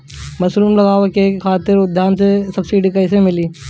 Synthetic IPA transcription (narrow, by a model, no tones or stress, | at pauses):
mɐsɾuːmlɐɡaːʋekekʰaːt̪ɪɾʊd̪ʱjaːnsesɐbsiːɖikɐɪs̬emɪliː